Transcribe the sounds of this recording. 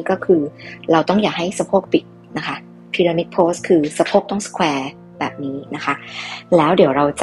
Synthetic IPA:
kɔː˥˩kʰɯː˧ɾa˧wt̪ɔ˥˩ŋjaː˨˩k̚ɦa˥˩jsa˧pʰoː˥˩k̚pi˨˩t̪̚ | na˦˥kʰa˦˥ | pʰiː˧ɾaː˧ni˦˥k̚pʰoː˦˥skʰɯː˧sa˧pʰoː˥˩k̚t̪ɔ˥˩ŋsə̥˧kʰwɛː˧ | bɛː˨˩p̚niː˦˥na˦˥kʰa˦˥lɛː˦˥wdi˩˦wɾa˧wt͡ɕa˨

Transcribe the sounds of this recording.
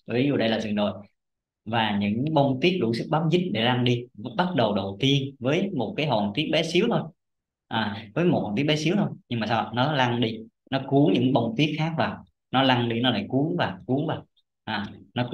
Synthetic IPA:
vi˨˦zu˨˩ɗə˧jlaː˨˩zɨ˨˩nɗo̰˧˨j | vaː˨˩ɲɨ̰˧˥ŋɓə˧wŋ͡mt̪i˦˥ət̚ɗṵ˧˩˦sɨ˦˥k̚ɓaː˨˦mzï˦˥t̟̚ɗe˧˩la˧ŋɗi˧˦ɓa˦˥t̚ɗə˨˩wɗə˨˩wt̪i˧ənvəː˨˦jmo˨˩t̚kaː˨˦jɦɔ˨˩nt̪i˦˥ət̚ɓɛ˨˦si˨˦əwt̪ʰo˧j | ʔaː˨˩vəː˨˦jmo˨˩hɔ˨˩t̪i˦˥ə˥ɓɛ˨˦si˨˦wt̪ʰo˧jɲɨ˧ŋmaː˨˩saː˧˨nɔ˨˦la˧ŋɗi˧ | nɔ˨˦ku˨˦əŋɲɨ̰˧˥ŋɓə˧wŋ͡mt̪i˦˥ət̚xaː˦˥k̚vaː˨˩w | nɔ˨˦la˧ŋɗi˧nɔ˨˦la̰ː˧˩˨jku˨˦əŋvaː˨˩wku˨˦əŋvaː˨˩w | ʔaː˨˩nɔ˨˦

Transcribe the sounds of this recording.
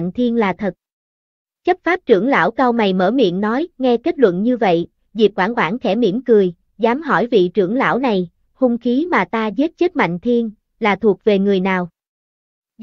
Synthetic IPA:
jŋ̟t̪ʰi˧ənlaː˨˩t̪ʰə˨˩t̚ | t͡ɕə˦˥t̚faː˦˥p̚t͡ɕɨ˧˩əŋla̰ː˧˥˩wka˧wna˨˩jmə̰ː˧˩mḭ˧˨ənːɔ˨˦jŋɛ˧ke˦˥t̚lwə̰˧˨nɲɨ˧və̰˧˨j | zi˨˩p̚kwaː˧˩nkwaː˧˩ŋxʰɛ˧˩mi˧˩əmkɨ˨˩əj | zaː˨˦mɦɔ˧˩jvḭ˧˨t͡ɕɨ˧˩əŋla̰ː˧˥˩wna˨˩j | hu˧ŋ͡mxi˨˦maː˨˩t̪aː˧ze˦˥t̚t͡ɕə˦˥k̚ma̰˧˨jŋ̟t̪ʰi˧ən | laː˨˩t̪ʰu˨˩ək̚ve˨˩ŋɨ˨˩əjnaː˨˩w

